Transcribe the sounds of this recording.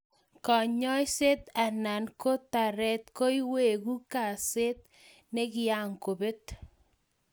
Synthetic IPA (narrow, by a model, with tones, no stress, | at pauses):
kɔ˨ɲɔ˦jse˦t̪a˨na˨nko˦ta˨ɾɛ˦t̪ko˦jwe˨ɣu˦ka˨se˦t̪̚ | ne˦kɪ˦a˨ŋko˨be˦t̪